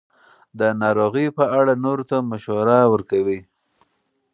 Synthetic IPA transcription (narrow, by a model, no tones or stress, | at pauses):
d̪ənɑɾoɣəpəaɽanoɾot̪amaʃwaɾawəɾkawi